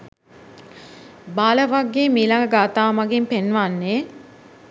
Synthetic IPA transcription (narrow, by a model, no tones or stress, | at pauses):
baːləʋaɡːeːmiːlaŋɡəɡaːt̪aːmaɡimpenʋanːeː